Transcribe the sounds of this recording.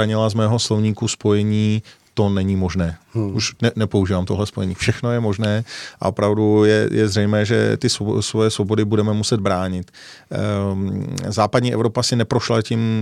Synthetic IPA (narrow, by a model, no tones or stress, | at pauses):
aɲɪlazmɛːɦo̞slo̞vɲiːkuspo̞jɛɲiː | t̪o̞nɛɲimo̞ʒnɛːʔuʃnɛnɛpouʒiːvamt̪oɦlɛspo̞jɛɲiːfʃɛxno̞jɛmo̞ʒnɛːʔa̰ʔo̞pɾavdujɛ̰jɛ̰zrɛjmɛːʒɛ̰t̪ɪsosvojɛsvobo̞dɪbudɛmɛmusɛd̪̚bɾaːɲɪt̪ | zaːpadɲiːɛ̰vɾo̞pasɪnɛpɾo̞ʃlacɪm